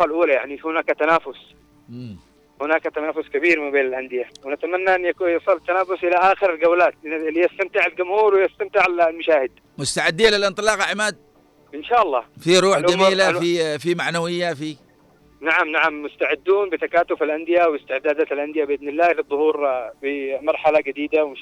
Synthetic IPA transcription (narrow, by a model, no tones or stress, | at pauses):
alʔuːlaja̰ʕnihʊnaːkat̪anaːfʊs | mː | hʊnaːkat̪anaːfʊskabiːɾmabeːnalʔand̪ɪjawɪnat̪amanːaʔanːjakujsˤɨlːat̪ːanaːfʊsʔɪlaʔaːxɪɾalɡawlaːt̪lijast̪amt̪ɪʕalɡʊmhuːɾwɪjast̪amt̪ɪʕallmaʃaːhɪd̪̚ | mʊst̪aʕɪd̪ːiːnlɪlʔɪnt̪ˤɨlɑːqaʕmaːd̪̚ | ʔɪnʃaːʔɑlˤːɑːfiɾˤuːħd͡ʒamiːlafifimaʕnawɪjːafi | naʕamnaʕamːʊst̪aʕɪd̪ːuːnbɪt̪akaːt̪ʊfalʔand̪ɪjawɪst̪ɪʕd̪aːd̪aːt̪alʔand̪ɪjabɪʔɪd̪nɪlːaːlɨðˤːʊhuːɾbɪmɑɾˤħalaɡɪd̪iːd̪awɪm